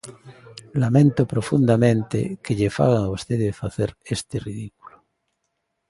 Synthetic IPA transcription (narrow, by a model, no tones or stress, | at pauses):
lamẽnt̪opɾofund̪amẽnt̪ḛkeʎefa̰ɣaŋaust̪eðefaθeɾest̪eriðiku̥lo